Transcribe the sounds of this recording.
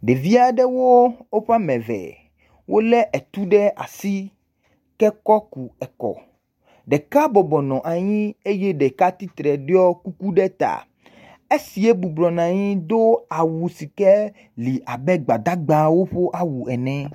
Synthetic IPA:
ɖe˨vi˦a˦ɖɛ˦wo˦wo˦ɸa˦mɛ̃˨vɛ̰˨ | wʔo˦lɛ˦ʔɛ˨t̪u˦ɖɛ˦ʔa̰˨si˦ | kɛ˦kɔ˦ku˨ɛ˨kɔ̰˨ | ɖɛ˨ka˦bɔ˨bɔ˨nɔ̃˨ʔa˨ɲĩ˦e˦je˦ɖɛ˨ka˦t̪i˦t̪ɾɛ˨ɖe˦ɔ˦ku˦ku˦ɖɛ˦t̪a̰˨ | e˦si˨e˦bu˨blɔ˨nã˨ɲĩ˦d̪o˦a˨wu˨si˨kɛ˦ | li˨a˨bɛ˦ɡ͡ba˨d̪a˦ɡ͡ba˦wo˦ɸo˦ʔa˦wu˨ɛ˨nɛ̃˨˦

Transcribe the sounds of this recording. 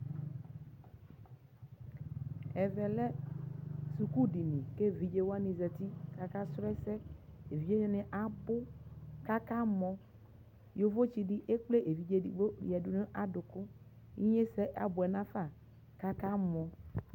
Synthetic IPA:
ɛ˨vɛ˨lɛ˦ | su˨ku˦ɖi˨nĩ˨ke˦vi˨d͡ʒe˦wo˦a˦nĩ˨zɛ˨t̪i˦ka˦ka˦sɾɛ˦sɛ˦e˨vi˨˦d͡ʒe˦ne˦ne˨ʔa˨bʊ˦ka˦ka˦mɔ̃˦ | jo˦vo˦t͡ʃi˨ɖi˦ʔe˦k͡ple˦ʔe˨vi˨d͡ʒe˦dḭ˨ɡ͡bo˦ḭ˨ɛ˨du˦nẽ˦ʔa˨dʊ˨kʊ˦ | ḭ˦ɲe˦sɛ˦ʔa̰˨bʊ˨ɛ˨nã˦fa˦˨ | ka˦ka˦mɔ̃˨

